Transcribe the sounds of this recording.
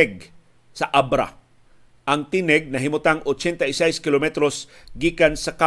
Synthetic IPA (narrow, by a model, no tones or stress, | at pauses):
ɛɡ̚ | sɐʔabɾa̰ | ʔɐŋt̪inɛɡ̚nɐɦɪmʊt̪aŋʔot͡ʃɛnt̪ɐɪsajskɪlomɛt̪ɾos | ɡiːkansɐka